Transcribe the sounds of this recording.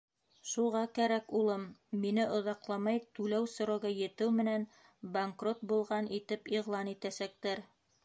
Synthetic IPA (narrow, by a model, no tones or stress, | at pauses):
ʃuʁɑkæɾækulˠɤmːinɘʔŏðɑqlˠɑmɑjt̪ʉlæwsŏɾɑwɡɑjɘ̆t̪ɘwmɘ̆næn | baŋkrot̪̚bulˠʁɑnʔit̪ɘpiʁlˠɑnit̪æsæk̚t̪æɾ